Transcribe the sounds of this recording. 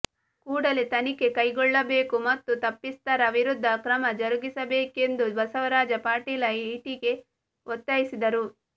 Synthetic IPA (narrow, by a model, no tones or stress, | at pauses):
kuːɽɐlet̪ɐnike̞kɐjɡɔɭːɐbe̞ːkumɐt̪ːut̪ɐpːist̪ɐɾɐʋiɾud̪ʱːɐkɾɐmɐd͡ʒɐɾuɡisɐbeːke̞nd̪ubɐsɐʋɐɾaːd͡ʒɐpaːɾʈiːlɐiʈiɡe̞ | ot̪ːɐjisid̪ɐɾu